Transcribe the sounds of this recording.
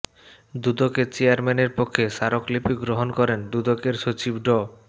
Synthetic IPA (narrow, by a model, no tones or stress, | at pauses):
d̪ud̪oket͡ɕeaɾmɛneɾpokʰːeʃaɾoklipiɡɾoɦonkɔɾend̪ud̪okeɾʃot͡ɕibɖɔ